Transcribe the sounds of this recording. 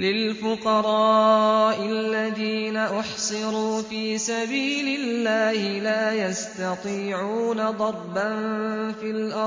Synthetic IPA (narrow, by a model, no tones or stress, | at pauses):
lɪlfʊqɑɾˤɑːʔɪlːaðiːnaʔʊħsˤɨɾuːfiːsabiːlɪlːaːhɪlaːjast̪ɑt̪ˤiːʕuːnad̪ˤɑɾˤbanfilʔɑ